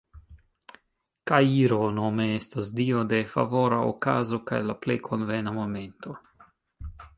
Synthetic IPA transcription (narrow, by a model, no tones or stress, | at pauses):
kajiɾonomeestasdiode̞fa̰voɾao̰kazo̞ka̰jlaplejkʰonvenamomento